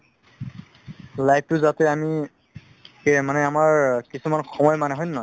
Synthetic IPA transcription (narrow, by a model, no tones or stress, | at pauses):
lajp̚tʊzatɛami | emanɛamaɹkisumanxɔmɔjmanɛɦɔjnːɔj